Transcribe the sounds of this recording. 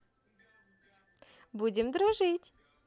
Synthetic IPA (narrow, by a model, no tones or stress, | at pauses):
budʲɪmd̪ɾʊʐɨtʲ